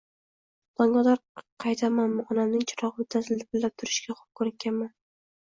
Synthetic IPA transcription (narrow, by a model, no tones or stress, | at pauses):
d̪̥ɒŋɡɒd̪aɾqʰɑjt̪ʰamanmʊχɒnamnɪŋt͡ʃʰɪɾɒʁɨmʊt̪ʰazɪld̪ɪbɪlːap̚t̪ʰʊɾɪʃkʲaχʊ̥p̚kʰoɾkʲːanman